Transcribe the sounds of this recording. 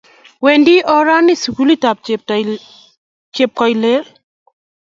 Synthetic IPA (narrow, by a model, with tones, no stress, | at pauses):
we˨ndi˦ʔɔ˦ɾa˦nɪ˦su˨ku˦li˦ta˨p̚t | t͡ʃe˨p̚kɔ˨jle˦l